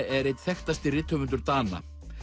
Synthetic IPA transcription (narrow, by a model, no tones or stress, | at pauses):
ɛɾejt̪θɛxt̪ast̪ɪrɪt̪ʰːœmʏnt̪̬ʏɾt̪aːna̰